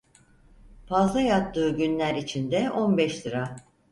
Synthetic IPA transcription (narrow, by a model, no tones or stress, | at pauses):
pʰazlˠajat̪ʰːɯːɟynlʲæɾit͡ʃʰind̪ɛʔo̞nbɛʃd̪ɯɾa